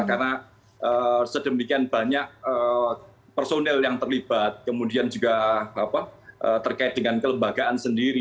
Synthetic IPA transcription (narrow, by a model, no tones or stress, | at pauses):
karna | ʔəsədəmikianbaɲak̚ə | pərsonɛljaŋt̪ərlib̥at̪̚kəmudiand͡ʒuɡaapaʔət̪ərkaɪt̪̚dəŋankələmbaɡaʔansəndiɾi